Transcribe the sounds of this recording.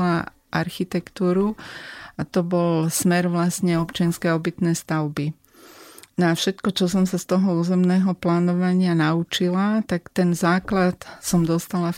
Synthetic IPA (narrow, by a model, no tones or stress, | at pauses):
la | ʔaɾxit̪ɛkt̪uːɾuat̪ɔbɔlsmɛɾʋlast̪ɲɛɔpt͡ʃɪanskɛaɔbit̪nɛːst̪aʊbi | nafʃɛt̪kɔt͡ʃɔs̬ɔmsast̪ɔɦɔuːzɛmnɛːɦɔplaːnɔʋaɲɪanaut͡ʃilat̪akt̪ɛnzaːklat̪sɔmd̪ɔst̪ala